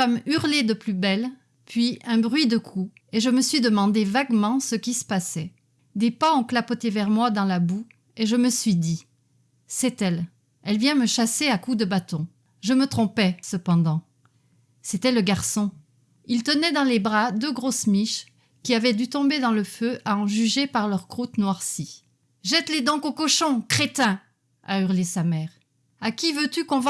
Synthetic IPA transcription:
famyʁled̪əplybɛl | pɥiɛ̃bʁɥid̪əkʰu | eʒəməsɥid̪əmɑ̃d̪evaɡmɑ̃səkʲisə̥pasɛ | d̪epaɔ̃klapɔt̪evɛʁmwad̪ɑ̃labu | eʒəməsɥid̪i | sɛt̪ɛl | ɛlvjɛ̃məʃaseakud̪əbat̪ɔ̃ | ʒəmət̪χɔ̃pɛsəpɑ̃d̪ɑ̃ | set̪ɛləɡaʁsɔ̃ | ilt̪ənɛd̪ɑ̃lebʁad̪øɡʁosmiʃ | kʲiavɛd̪yt̪ɔ̃bed̪ɑ̃ləføʔaɑ̃ʒyʒepaʁlœʁkχut̪nwaʁsi | ʒɛt̪led̪ɑ̃kokɔʃɔ̃kχet̪ɛ̃ | ayʁlesamɛːʁ | akʲivøt̪ykɔ̃v

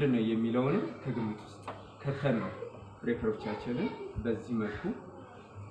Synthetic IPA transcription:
d̪ɨnːəwjɛmːiləwnɨnkʰəɡɨmːɨt̪ʼwʊst̪ʼ | kʰət̪ʰːənːəw | bɾekʰəɾo̞t͡ʃːat͡ʃːɪnɨnbəzːihməlkʰu

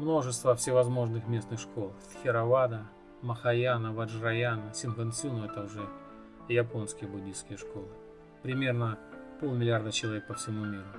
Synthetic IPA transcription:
mno̞ʐɨst̪vəfsʲɪvɐzmo̞ʐnɨxmʲe̞snɨxʂko̞lˠfʲxʲɪɾɐvad̪ə | məxɐjanəvɐʐrɐjanəsʲɪnvənsʲunoɛt̪əʊʐɛ | jɐpo̞nskʲɪjəbʊdʲijskʲɪjəʂko̞lˠɨ | pɾʲɪmʲe̞rnəpolˠmʲɪlʲɪard̪ət͡ɕɪlˠɐvʲek̚pəfsʲɪmumʲiɾʊ

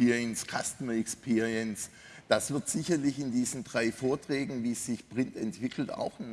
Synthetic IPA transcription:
iʁiənskʰastəmɐɛkspʰiːʁiəns | d̥asv̥ɪɐtz̥ɪçɐlɪçɪndiːzn̩dʁaɪfoːɐtʁ̥ɛːɡŋ̩viːsz̥ɪçpʁ̥ɪntɛntv̥ɪkʰl̩ta̰ʊxn

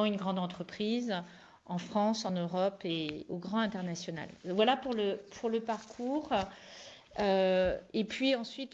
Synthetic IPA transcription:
ɑ̃ynɡʁɑ̃d̪ɑ̃t̪χəpχiz | ɑ̃fχɑ̃sɑ̃nøʁɔpeoɡʁɑ̃ɛ̃t̪ɛʁnasjɔna̰lvwalapuʁləpʰuʁləpaʁkʰuʁ | øepɥiɑ̃sɥit̪

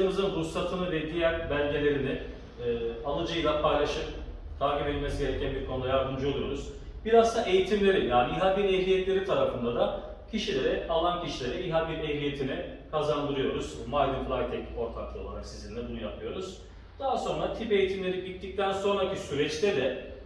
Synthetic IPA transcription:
ɯmɯzɯnɾusat̪ʰɯnɯvɛd̪ijæɾbælʲɟ̪ʲelʲe̞ɾinɪː | alˠɯd͡ʒɯjlˠapʰajlʲˠaʃɯm | t̪ʰaːcibet̪ʲme̞siɟeɾɛcʰænbiɾkʰonud̪ajaɾd̪ɯmd͡ʒɯolˠujo̞ɾuz̥ | biɾazt̪ʰaʔe̞jit̪ʰimlʲe̞ɾinjaːniiɦabinejlʲijɛt̪lʲe̞ɾit̪ʰaɾafɯnd̪ad̪a | cʰiʃilʲeɾɛʔalˠancʰiʃilʲe̞ɾɛiɦaɡineɦlijet̪ʰinɪkʰazand̪ɯɾɯjo̞ɾuz̥majd̪ɯflˠajt̪ʰɛko̞ɾt̪ʰaklˠɯo̞lˠaɾaksizinlʲɛbunujapʰɯjo̞ɾuz̥ | d̪̥aɦaso̞nɾat̪ʰipe̞jit̪ʰimlʲe̞ɾiɟit̪ːic̚t̪ʰænso̞nɾacisyɾɛt͡ʃt̪ɛd̪ɛ

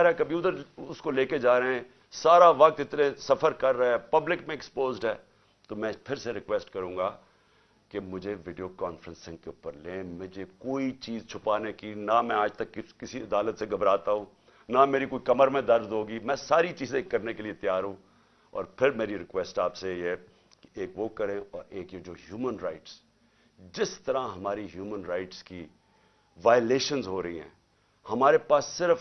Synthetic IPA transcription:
ɾɦɛkɐbʱiʊd̪əɾʊskoleːked͡ʒaːɾeeɦɛ̃ː | saːɾaʋɐk̚t̪ɪt̪nẽsɐfəɾkɐɾːɐeɛːpɐblɪkmẽɛkspoːzɖɦɛː | t̪omɛ̃ːpʰɪɾseɾɪkwɛːsʈkɐɾũːɡaː | kemʊd͡ʒʱeʋɪːɖijokaːnfɾə̃nsɪ̃ŋɡ̚keuːpːəɾlẽːmʊd͡ʒʱekoːit͡ʃiːzt͡ʃʰʊpaːnekinamɛ̃aːd͡ʒt̪ɐkːɪkɪsiɐd̪aːlət̪seɡʱɐbɾaːt̪aɦũː | nɐmeːɾikoːikɐməɾmẽd̪ɐɾd̪ɦoːɡimɛ̃ːsaːɾit͡ʃiːzẽkɐɾnekeliet̪jaːɾɦũː | ɔ̰ːɾpʰɪɾmeːɾiɾɪkwɛːsʈaːpseɦɛ | ke̥eːkʋoːkɐɾẽɔːɾeːkjed͡ʒoːɦjuːmənɾaːɪʈs | d͡ʒɪst̪əɾãɦɐmaːɾiɦjuːmənɾaːɪʈski | ʋaːjleːʃənzɦoːɾɐiɦɛ̰̃ː | hɐmaːɾepaːsːɪɾəf

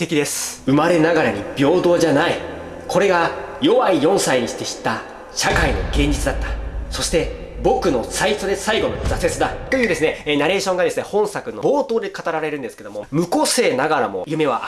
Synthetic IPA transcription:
t̪ekʲid̪e̞sɨ̥ɯ̟maɾe̞naɡaɾaɲ̟ibʲo̞ːd̪o̞ːd͡ʑanai | kʰo̞ɾe̞ɡajo̞βaijõ̞ɰ̃saiɲ̟iɕi̥t̪e̞ɕi̥t̪ːa | ɕakaino̞ɡẽ̞ɲ̟d͡ʑit͡sɨd̪at̪ːḁso̞ɕi̥t̪e̞bo̞kɯ̟no̞sait̪od̪e̞saiɡo̞nozase̞t͡sɨd̪at̪o̞jɯ̟ːd̪e̞sɨne̞ːnaɾe̞ːɕõ̞ŋɡad̪e̞sɨne̞hõ̞ɰ̃sakɯ̟no̞bo̞ːt̪o̞ːd̪e̞kat̪aɾaɾe̞ɾɯ̟̃nd̪eske̞d̪omomɯ̟ko̞se̞ːnaɡaɾamo̞̰jɯ̟me̞βa

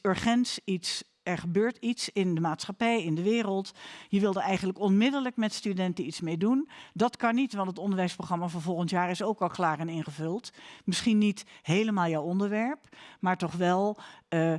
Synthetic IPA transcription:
øɹχɛntsits | ɛɹχəbøːɹtitsɪndəmaːtsχapɛjɪndəʋɪːrəlˠtjəʋɪlˠdəɛjχənləkɔnmɪdələkmɛtstydɛntənitsmejdundɑtkɑnːitʋɑ̃ntətɔndəɹʋɛjsproxχrɑmaːvɔnvɔlˠχəntjaːɹɪsowkɑlˠklaːrɛnɪnχəvɵlˠtmɪsχinːitɦejləmaːlˠjawɔndəɹʋɛɹpmaːɹtɔχʋɛlˠ

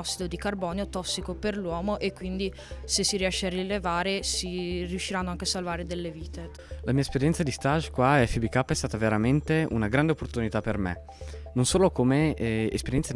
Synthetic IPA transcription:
ɔsːid̪od̪ikarbɔːneot̪ɔsːikoperlwɔːmoʔekːwind̪i | sesiɾiɛʃːearːilevaːɾesirijuʃːiɾanːoaŋkesalvaːɾed̪elːeviːt̪e | lamiːaespeɾjɛnt̪sad̪ist̪aʒkwaɛfibikapːɛst̪aːt̪aveɾament̪eṵnaɡɾand̪eopːort̪unit̪apːermḛ | nonsoːlokomeḛspeɾjɛnsa

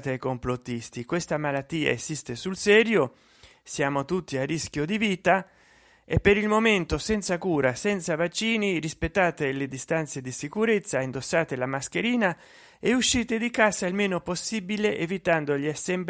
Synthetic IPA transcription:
t̪eajkomplot̪ːist̪ikwest̪amalat̪ːiːa̰ezist̪esulsɛːɾjo | sjaːmot̪ut̪ːiarːisk̟jod̪iviːt̪a | epːeɾilmoment̪osɛnt̪sakuːɾasɛnt̪savat͡ʃːiːniɾispet̪ːaːt̪eled̪ist̪ant̪sed̪isikuɾet̪sːaind̪osːaːt̪elamask̟eɾiːna | euʃːiːt̪ed̪ikaːzailmeːnoposːiːbileʔevit̪and̪oʎiasːemb

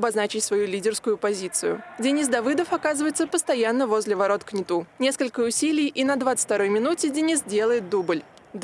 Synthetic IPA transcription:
bɐznat͡ɕɪtʲsvɐjulʲidʲɪrskʊjʊpɐzʲit̪sɨjʊ̰dʲɪnʲis̬d̪ɐvɨd̪əfɐkazɨvəjɪt̪səpəst̪ɐjanːəvo̞zʲlʲɪvɐɾo̞t̪knʲɪt̪unʲe̞skəlʲkəʊsʲilʲɪjʔinɐd̪vat̪sɨ̥tʲt̪ɐɾo̞jmʲɪnutʲɪdʲɪnʲisdʲe̞lˠəjɪt̪̚d̪ubɨlʲ | d̪

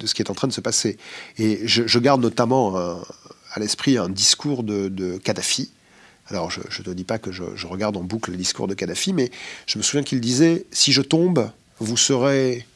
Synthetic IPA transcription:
d̪̥əsə̥kʲiɛt̪ɑ̃t̪χɛ̃d̪əsəpaseeʒəʒəɡaʁd̪nɔt̪amɑ̃ɛ̃a̰lɛspχiɛ̃d̪iskʰuʁd̪əd̪əkad̪afi | alɔʁʒə̰ʒət̪əd̪ipakəʒə̰ʒəʁəɡaʁd̪ɑ̃bukləd̪iskṵʁd̪əkad̪afimɛʒ̥əməsuvjɛ̃kild̪izɛsiʒət̪ɔ̃b | vusəʁe

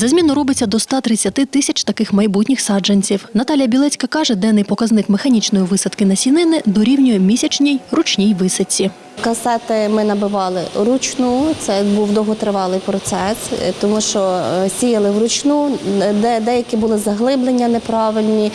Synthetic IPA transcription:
zɐzʲmʲinʊɾɔbɪt͡sʲːɐd̪ɔst̪ɑt̪ɾɪt͡sʲːɐt̪ɪt̪ɪsʲɐt͡ʃt̪ɐkɪxmɐjbutʲnʲɪxsɑd͡ʒenʲt͡sʲiwnɐt̪ɑlʲijɐbʲilˠɛt͡sʲkɐkɑʒɛd̪ɛnːɪjpɔkɐznɪkmexɐnʲit͡ʃnɔjiʋɪsɐd̪kɪnɐsʲinɪnɪd̪ɔɾʲiwnʲɔjʊmʲisʲɐt͡ʃnʲijrʊt͡ʃnʲijʋɪsɐt͡sʲːi | kɐsɛt̪ɪmɪnɐbɪʋɑlˠɪɾʊt͡ʃnut̪sɛbuwd̪ɔɦɔt̪ɾɪʋɑlˠɪjpɾɔt̪sɛst̪ɔmuʃt͡ʃɔsʲijɐlˠɪwɾʊt͡ʃnud̪ɛd̪ɛjɐkʲibʊlˠɪzɐɦlˠɪblˠenʲːɐnepɾɑʋɪlʲnʲi

